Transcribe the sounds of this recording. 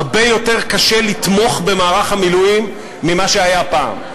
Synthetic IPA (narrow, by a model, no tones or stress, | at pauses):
ʁbe̞jo̞te̞ʁkaʃelit̪mo̞χbe̞maːʁaχamilujimː | imaʃeajapa̰ːm